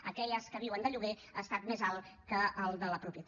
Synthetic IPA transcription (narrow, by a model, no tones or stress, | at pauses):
ə̰kɛʎəskəβiwənd̪əʎuɣe | əːst̪at̪mezalˠkəːlˠd̪ələpɾupiət̪